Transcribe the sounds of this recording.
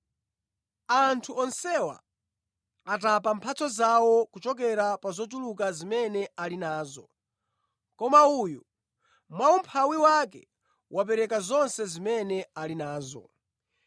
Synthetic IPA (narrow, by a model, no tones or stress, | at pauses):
antʰuɔnsɛwa̰ː | tapampʰat͡sʰɔzawɔkut͡ʃɔk̬ɛɾapazɔt̬uluk̬azimɛnɛalinaːzɔ | kɔmauju | mwawumpʰawiwakɛ | wʔap̬ɛɾɛkazɔnsɛzimɛnɛalinaːzɔ̰